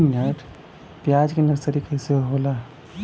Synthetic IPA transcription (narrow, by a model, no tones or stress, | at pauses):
nəʈʰ | pjad͡ʒkenəɾsəɾikəɦseɦola